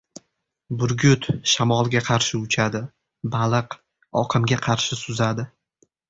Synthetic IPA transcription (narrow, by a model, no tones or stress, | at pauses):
bʊɾɡʲʊt̪ʃamɒlˠɡʲaqʰɑɾʃɪʊt͡ʃʰad̪ɪ | balˠɨq | ɒqʰɨmɡʲaqʰɑɾʃɪsʊzad̪ɪ